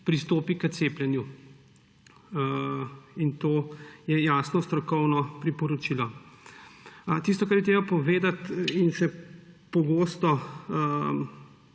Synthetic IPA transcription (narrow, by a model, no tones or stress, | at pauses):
pɾist̪oːpikət̪seːpljɛnju | int̪oːjɛjaːsnɔst̪ɾɔkɔwnɔpɾipɔɾɔt͡ʃilɔ | t̪is̬t̪ɔkaɾjɛt̪ɾeːbapɔʋeːd̪at̪inʃɛpɔɡoːst̪ɔ